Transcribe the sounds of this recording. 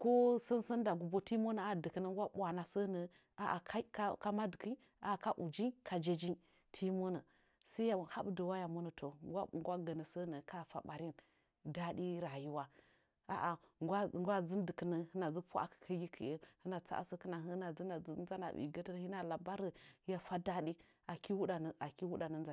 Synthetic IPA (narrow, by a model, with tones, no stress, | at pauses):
ko˦sə˦nsə˦nda˨ɡu˨bo˦ti˦mo˦nə˨a˨də˨kə˨nə˦ŋɡʷa˦ɓʷa˨na˨sə˦nə˨ | a˨ʔa̰˨ka˦ka˦ka˦ma˦də˨ki˦ | a̰˨ka˦ʔu˨d͡ʒi˦kʰa˨d͡ʒe˦d͡ʒi˦n | tʰi˦mo˦nə˨ | sa˦ja˦˨ha˦bdə˨wa˦ja˨mu˦nə˨to˨ɡʷa˦ŋ˦ɡʷa˦ɡə˨nə˨sə˦nə˨ka˦fa̰˨ɓa˨ɾi˦n | da˦di˦ɾa˨ju˦wa˦ | a̰˨ʔa˨ŋɡʷa˦ŋɡʷa˦zə˦ndə˨kə˨nə˨ə˦na˨zə˦pu˦a̰˨kə̥˨kʰə˦ji˦kʰə̰˨ə˦hə˦na˨t͡sa̰˦ʔa̰˦sə˦kə˦na˨ɦə˦na˨zə˦na˨˦za˦na̰˨bḭ˨ɡə˦tə˦n˦hi˦na˨la˨ba˦ɾə˨˦ja˨fa˦da˦di˦ | a˨ki˦wu˦ɗa˨nə˨ʔa˨ki˦wu˦ɗa˨nə˦n˦za˨